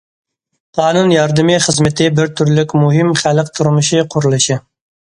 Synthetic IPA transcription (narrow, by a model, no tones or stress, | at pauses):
qʰɑːnunjɑɾd̪ɨmɨχəzmɪt̪ʰɪbɪɾt̪ʰyɾlɪkʲmuɦɪmχælq̚t̪ʰuɾmuʃiqʰʊɾulˠɨʃi